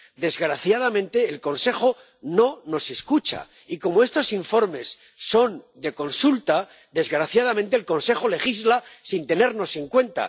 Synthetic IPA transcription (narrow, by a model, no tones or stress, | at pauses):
d̪e̞zɣɾaθjaðamẽ̞nt̪e̞ːlko̞nse̞xo̞ | no̞no̞se̞skut͡ʃa̰ | iko̞moe̞st̪o̞siɱfo̞ɾme̞sː | o̞nd̪e̞ko̞nsult̪a | d̪e̞zɣɾaθjað̞amẽnt̪e̞ːlko̞nse̞xole̞xizlasint̪e̞ne̞ɾno̞se̞ŋkwe̞nt̪a̰